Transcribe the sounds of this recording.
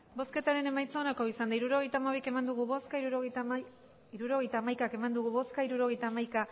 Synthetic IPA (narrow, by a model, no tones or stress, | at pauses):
bo̞ske̞t̪aɾe̞ne̞majt͡sonakoisand̪aiɾuɾo̞ɣ̞e̞jt̪aːmaβ̞ike̞mand̪uɣuβoskauɣ | iɾuɾo̞ɣejt̪aːmajkake̞mand̪uɣuβo̞skaiɾuɾo̞ɣ̞e̞jt̪aːmajka